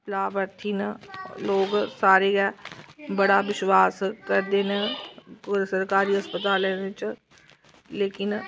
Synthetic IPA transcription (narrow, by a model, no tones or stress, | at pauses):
plaːbəɾt̪ʰiːnloːɡsaːɾeːɡɛːbəɽaːʋɪʃwaːskəɾd̪eːnekɾsəɾkaːɾiːɦəspət̪aːlɛːnt͡ʃ | leːkɪn